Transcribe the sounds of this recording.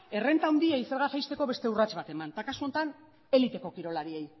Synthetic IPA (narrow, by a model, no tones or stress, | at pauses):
e̞re̞nt̪awnd̪iaise̞ɾɣasajst̪e̞ko̞βe̞st̪e̞urat͡ʃβat̪e̞mant̪akasuo̞nt̪an | e̞lit̪e̞ko̞kiɾo̞laɾie̞j